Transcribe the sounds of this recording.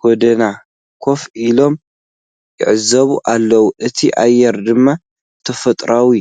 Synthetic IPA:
ɡ̥ɔd̪ɐna | kʰo̞filo̞m | jɪ̰ʕɨzɐβuʔalːɐwuʔɨt̪ʰiʔajːɛɾd̪ɨmːa | t̪ʰɐfɐt̪ʼɾawi

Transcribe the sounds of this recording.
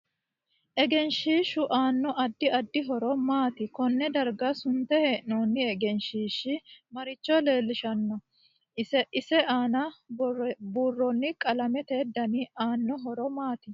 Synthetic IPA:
ʔɛɡɛnʃiːʃʊʔaːnːɔʔɐd̪ːɪɐd̪ːɪɦɔɾɔmaːt̪ɪkɔnːɛd̪ɐɾɡɐsʊnt̪ːɛheːʔnoːnːɪɛɡɛnʃiːʃɪmɐɾɪt͡ʃːɔle̞ːlːɪʃɐnːɔ | ɛɪsɛaːnɐ | buːrːɔnːɪkʼɐlɐmɛt̪eːd̪ːɐniaːnːɔɦɔɾɔmaːt̪ɪ

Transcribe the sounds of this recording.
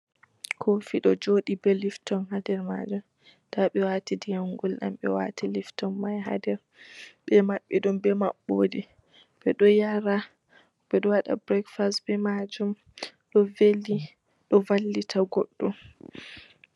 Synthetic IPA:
kʰofiɗɔd͡ʒoːɗibɛliftɔnɦadɛɾma̰d͡ʒum | taɓɛwaːtidijaŋɡulɗa̰mɓɛ̰wa̰tʰiliftɔnmajɦa̰dɛɾ | bɛmaɓːɛɗumbɛma̰ɓːoːdi | ɓɛɗɔjaɾa | bɛɗɔwaɗa̰bɾɛkfastbɛmad͡ʒum | ɗɔvelːi | ɗɔvalːitʰaɡɔɗːu

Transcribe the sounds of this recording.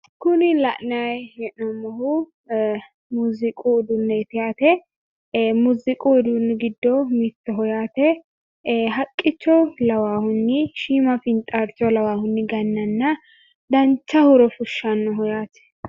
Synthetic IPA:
kʊnɪlɐʔnajjɛʔnɔmːɔhʊ | muzɪkʼuɪd̪ʊnːɛɪt̪ɪjaːt̪ɛ | muzɪkʼuɪd̪ʊnːɡɪd̪ːɔmit̪ːɔɦɔjaːt̪ɛ | ɦɐkʼːɪt͡ʃːɔlɐwaːhʊnːɪʃiːmɐfɪnt̪ʼːɐɾt͡ʃːɔlɐwaːhʊnːɪɡɐnːɐnːɐ | d̪ɐnt͡ʃːɐhʊɾɔfʊʃːɐnːɔɦɔjaːt̪ɛ̥

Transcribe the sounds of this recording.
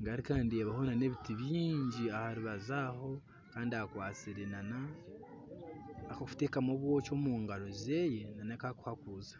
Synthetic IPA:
ŋɡaɾikaːndie̞βaho̞nane̞ːβitiβiːɲɟiahaɾiβazaːho̞ | kaːndiakwaːt͡siɾe̞nana | kou̥tekamoβwo̞ːt͡ʃo̞muːŋɡaɾo̞ze̞je̞nanakaku̥hakuːzḁ

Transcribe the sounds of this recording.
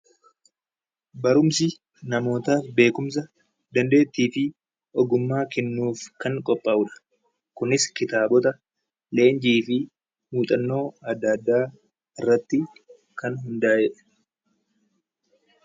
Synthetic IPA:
bɐɾʊmsɪ | nɐmo̞ːt̪aːfbe̞ːkʊms̬ɐ | d̪ɐnd̪e̞ːt̪ːiːfɪ | ʔɔɡʊmːaːkɛnːuːfkɐŋkʼɔpʼːɐʊᶑɐ̥ | kʊnɪskɪt̪aːbɔt̪ɐ | le̞ːnd͡ʒiːfɪ | muːt̪ʼɐnːo̞ːɐd̪ːaːd̪ːaː | ɪrːɐt̪ːɪ | kɐnɦʊnd̪aːd͡ʒɛᶑɛ̥

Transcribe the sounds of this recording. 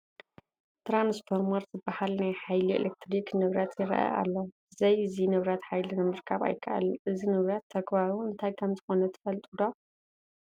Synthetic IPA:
t̪ɾansfoɾmaɾzɨbːahalnajħajliḛlʔek̚t̪ʰɾiknɨβɾat̪ʰjɪɾɐ̰ʔa̰ʔa̰lːo | zɐjɨzinɨβɾat̪ħajlinɨmɨɾkʰaβa̰jkʰɐʔa̰lʔɨzinɨβɾat̪ʰːɐɡbaɾuɨnt̪ʰajk̪ʰɐmzʰɨxo̞nɐt̪ʰɨ̥fɐlt̪ʼud̪o

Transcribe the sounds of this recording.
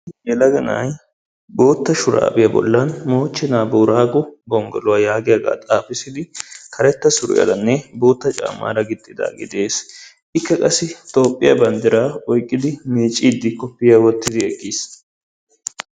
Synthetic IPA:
jɛlɐɡɐna̰j | bo̞ːt̪ːɐʃʊɾa̰ːbɪjɐbɔ̰lːɐnmo̞ːt͡ʃːɪnaːbɔʊɾaːɡɔbɔŋɡɔ̰lʊwaːjaːɡɪjaɡa̰ːt̪ʼaːfɪsɪd̪ɪkʰɐɾɛt̪ːɐsʊɾʊ̰jɐ̰lɐnːɛbo̞ːt̪ːɐt͡ʃʼa̰ːmːa̰ːɾɐɡɪt̪ʼːɪd̪a̰ːɡɪ̰d̪e̞ːs | ɪkːɐkʼɐsɪt̪ʼo̞ːpʼːɪjɐbɐnd̪ɪɾaɔjkʼːɪd̪ɪmiːt͡ʃʼːiːd̪ːɪkɔpːɪjawɔt̪ːɪd̪ɪɛkʼːis

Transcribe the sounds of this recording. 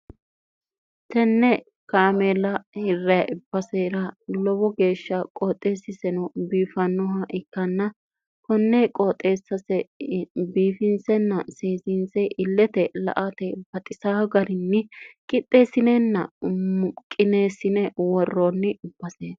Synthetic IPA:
t̪ɛnːɛ | kaːmeːlɐhɪrːɐʔɪb̥ːɐseːɾɐlɔbɔɡe̞ːʃːɐkʼoːt̪ʼːe̞ːsːɪsɛnɔbiːfɐnːɔɦɐʔɪkːɐnːɐ | kɔnːɛkʼoːt̪ʼːeːsːɐsɛbiːfɪnsɛnːɐseːsɪnsɛʔɪlːɛt̪ɛlɐ̰ʔat̪ɛb̥ɐt̪ʼɪsaːɡɐɾɪnːɪkʼɪt̪ʼːeːsɪnenːɐ̰mʊkʼːɪneːsɪnɛwɔrːonːɪɪb̥ːɐseːs

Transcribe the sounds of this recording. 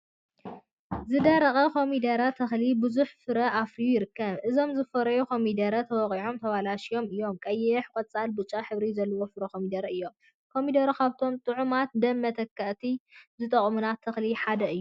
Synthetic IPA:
zɨd̪ɐɾɐχʼɐkʰo̞mid̪ɐɾɐt̪ʰɐxlibɨzuħfɨɾɐʔafɾijujɪɾɨkːɐβʔɨzo̞mzɨfɐɾɐjukʰo̞mid̪ɐɾɐt̪ʰɐwɐqʼiʕomt̪ʰɐwalaʃijo̞mɨjːo̞mkʼɐjːɛħkʼɐt͡sʼalbut͡ʃʼːaħɨβɾizɐlːɐwofɨɾɐkʰomid̪ɐɾɐɨjːo̞m | kʰo̞mid̪ɐɾukʰaβt̪ʰo̞mt̪ʼɨʕumat̪̚d̪ɐmːɐt̪ʰɐkːɐʔt̪ʰizɨt̪ʼɐχʼmunat̪ʰɐxliħad̪ɐɨjːu

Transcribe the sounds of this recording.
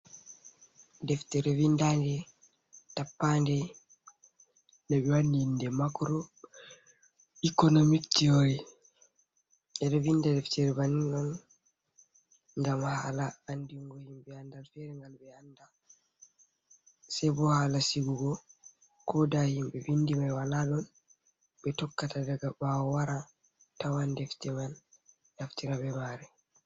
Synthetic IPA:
dɛftɛɾɛvindandɛ | tapːandɛ | nabɛwanindɛmakɾɔ | ikɔnomiktioɾi | ɛdɔbindadɛftɛɾɛbaniŋɡam | ŋɡamhalaːndiŋɡɔhimbɛandalfɛɾɛŋɡalbɛanda | sɛbɔhaːlasiɡuɡɔ | kɔdahimbɛvindimajwalaɗɔn | ɓɛtɔkːatadaɡabawɔwaɾa | tawandɛftɛman | aftiɾabɛmaɾɛ

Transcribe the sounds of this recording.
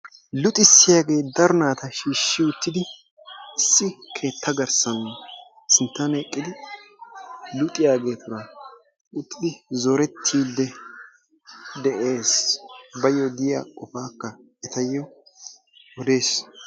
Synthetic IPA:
lʊt̪ʼɪsːɪjaːɡe̞ːd̪ɐɾʊnaːt̪ɐʃiːʃːɪʊt̪ːɪd̪ɪ | ɪsːɪkʰe̞ːt̪ʰːɐɡɐɾsɐn | sɪnt̪ːanɛkʼːɪd̪ɪ | lʊt̪ʼɪjaːɡe̞ːt̪ʊɾɐ | ʊt̪ːɪd̪ɪzɔɾɛt̪ʰːiːd̪ːɛ | d̪ɛʔe̞ːsbɐjːɔd̪ɪja̰kʼɔfaːkːɐ | ɛt̪ɐjːɔ | ɔd̪e̞ːs

